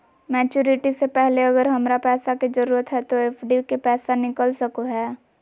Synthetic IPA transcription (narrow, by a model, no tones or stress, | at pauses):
mɛːt͡ʃuːɾɪʈisepɛɦleɐɡəɾɦɐmɾapɛːsakezəɾuːɾət̪ɦɛt̪oeːfʰɖikepɛːsanɪkəlsəkoɦɛː